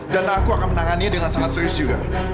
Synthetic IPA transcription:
danakuakanmənaŋaniadəŋansaŋat̪̚səɾiʊsd͡ʒuɡa̰

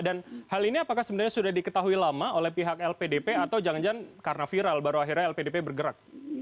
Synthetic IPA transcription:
danhaliniapakahsəbənarɲasudahdikət̪aɦuilamaolɛhpiɦak̚ɛlpedepeat̪awd͡ʒaŋd͡ʒaŋkarnafiɾalbaɾuaɦirɲaɛlpedepebərɡəɾak̚

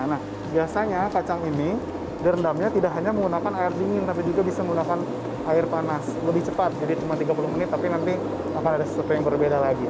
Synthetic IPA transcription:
nah | biasaɲakat͡ʃaŋini | dəɾəndamɲat̪idakɦaɲaməŋɡunakanaɪrdiŋɪnt̪ap̬id͡ʒuɡabisaməŋɡunakan | ʔaɪrpanasləbɪht͡ʃəpat̪̚d͡ʒadit͡ʃumant̪iɡapulʊhmənɪt̪ːapinant̪i | akanadasə̥suwat̪ujaŋbərbedalaɡi

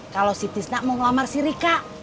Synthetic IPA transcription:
kalosit̪isnamuŋlamarsiɾikaʔ

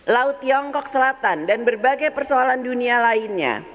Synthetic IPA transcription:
laut̪ːiɔŋkɔk̚səlat̪andanbərbaɡajpərsoalandunialaɪnɲa̰

